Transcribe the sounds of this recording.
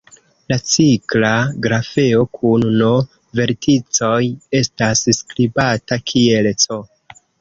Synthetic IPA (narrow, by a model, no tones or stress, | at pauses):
lat͡siklaɡɾafe̞o̞kʰunno | ve̞ɾtit͡so̞je̞stasskɾibatakʰie̞lt͡so̞